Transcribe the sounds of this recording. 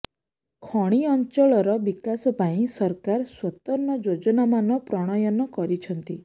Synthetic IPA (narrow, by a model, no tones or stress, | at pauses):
kʰɔɽ̃iɔnt͡ʃɔɭɔɾɔbikasɔpaĩsɔɾkaɾswɔt̪ɔɾnɔd͡ʒod͡ʒɔnamanɔpɾɔɽ̃ɔjɔnɔkɔɾit͡ʃʰɔnt̪i